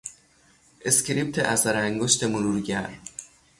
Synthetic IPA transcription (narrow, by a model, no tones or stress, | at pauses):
ʔescɾip̚t̪ʰḛʔæsæɾæŋɡoʃt̪ʰemoɾuɾɟæɾ